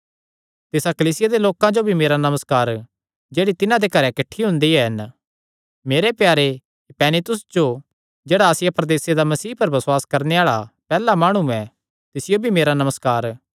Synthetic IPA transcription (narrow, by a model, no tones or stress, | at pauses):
t̪eːsakɐliːsɪjad̪eloːkãd͡ʒobʱimeːɾanɐməskaːɾ | d͡ʒeːɽit̪ɪnãd̪ekɐɾɛkɪʈʰːiɦʊ̃nd̪iɦɛɦɐn | meːɾepjaːɾe | pɛːnɪt̪ʊsd͡ʒo | d͡ʒeːɽaːsɪjapɾɐd̪eːsed̪amɐsiːpɐɾbɐswaːskɐɾneaːɭapɛːlamaːɽ̃uɛ̃ | t̪ɪsɪjobʱimeːɾanɐməskaːɾ